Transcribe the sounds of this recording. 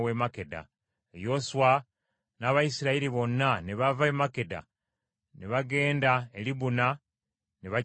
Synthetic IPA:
wemake̞da̰ | ejo̞suwa | naβajisiɾaiɾiβo̞nːaneβavaemake̞da̰ | neβaɡe̞ːndaeliβuna | neβa

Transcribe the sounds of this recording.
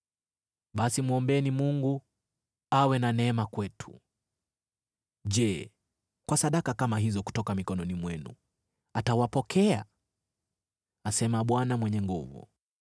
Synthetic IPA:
ɓasimuɔmbɛnimuŋɡu | awɛnanɛɛmakwɛtʰu̥ | ʄɛ | kwasaɗakakamaɦizɔku̥tɔkamikɔnɔnimwɛnṵ | atawapɔkʰɛa | asɛmaɓwanamwɛɲɛŋɡuvṵ

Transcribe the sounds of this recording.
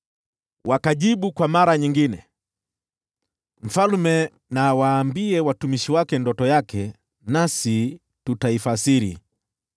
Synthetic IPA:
wʔakaʄiɓukwamaɾaɲiŋɡinɛ̰ | m̩falmɛ | nawaːmbiɛwatumiʃiwakɛndɔtɔjakʰɛ | nasi | tutaifasiɾḭ

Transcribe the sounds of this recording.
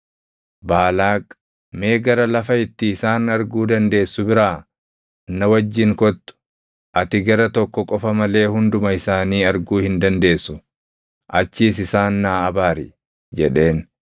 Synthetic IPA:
baːlaːkʼ | me̞ːɡɐɾɐlɐfɐɪt̪ːɪːsaːnɐɾɡuːd̪ɐnd̪e̞ːsːʊbɪɾaː | nːɐwɐd͡ʒːɪŋkɔt̪ːʊ̥ | ʔɐt̪ɪɡɐɾɐt̪ɔkːɔkʼɔfɐmɐle̞ːhʊnd̪ʊmɐɪsaːniːɐɾɡuːhɪnd̪ɐnd̪e̞ːsːʊ | ʔɐt͡ʃːiːsɪsaːnːaːɐbaːɾɪ̰ | d͡ʒɛᶑe̞ːn

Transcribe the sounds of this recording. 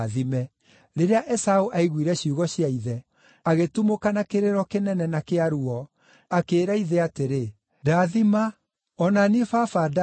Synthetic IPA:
ðimɛ | ɾeɾeaʔɛsaoʔaiɣwiɾɛɕiuɣɔɕiaiðɛ | aɣetumokanakeɾeɾɔkenɛnɛnakeaɾuɔ | akeːɾaiðeateɾe | daðima | ɔnanefafada

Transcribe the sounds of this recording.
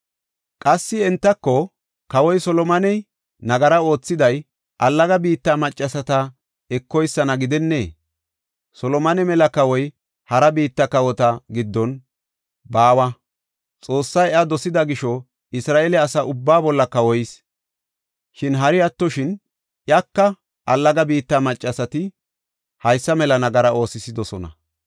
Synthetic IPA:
kʼɐsːɪɛnt̪ːɐkːɔ | kɐwɔjsɔlɔmɐnɛ | nɐɡɐɾɐo̞ːt͡sːɪd̪ɐj | ʔɐlːɐɡɐbiːt̪ːamɐt͡ʃʼːɐsɐt̪ɐ | ɛkːɔjsːɐnɐɡɪd̪ɛnːḛː | sɔlɔmɐnɛmɛlɐkɐwɔj | hɐɾɐbiːt̪ːɐkɐwɔt̪ɐɡɪd̪ːɔn | baːwɐ | t͡sʼo̞ːsːɐjɐd̪ɔsɪd̪ɐɡɪʃɔ | ɪsɾaːʔelɛɐsɐʊbːaːbɔlːɐkɐwɔjɪs | ʃɪnɦɐɾɪɐt̪ːɔʃɪn | ʔjɐkːɐ | ʔɐlːɐɡɐbiːt̪ːamɐt͡ʃʼːɐsɐt̪ɪ | hɐjsːɐmɛlɐnɐɡɐɾɐo̞ːsɪsɪd̪ɔsɔnɐ̰

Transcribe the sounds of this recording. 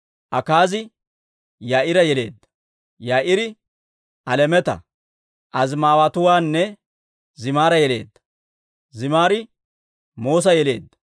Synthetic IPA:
ʔɐkaːzɪ | jaːʔɪɾɐjɛle̞̰ːd̪ːɐ̥ | jaːʔɪɾɪ | ʔɐlɛmɛt̪ɐ̰ | ʔɐzmaːwɐt̪ʊwaːnːɛ | zɪmaːɾɐjɛle̞̰ːd̪ːɐ̥ | zɪmaːɾɪ | mo̞ːs̬ɐjɛle̞̰ːd̪ːɐ̥

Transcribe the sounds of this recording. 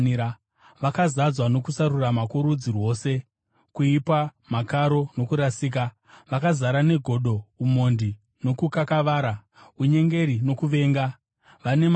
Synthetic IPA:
ia | ʋakazad͡zwano̞kusaɾuramakuɾud͡zirwo̞ːse̞ | kuipamakaɾo̞no̞kuɾasiːk̬a | ʋakazaɾane̞ɡʱo̞ɗo̞umo̞ndi | no̞kukakaʋaːɾa | uɲe̞ŋɡe̞ɾino̞kuʋe̞ːŋɡa | ʋane̞m

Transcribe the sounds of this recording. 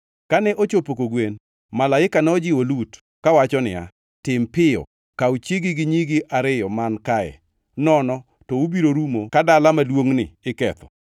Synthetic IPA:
kanɛʔot͡ʃopokoɡwen | malaɪkanɔd͡ʒɪwolut | kawat͡ʃɔnɪ̰a̰ | tɪmpɪɔ̰ | kaut͡ʃeɡɪɡɪɲiɡɪʔaɾɪjɔmankaɛ̰ | nɔnɔ | tɔubiɾoɾumokadalamalwoŋnɪɪkɛt̪ɔ̥̰

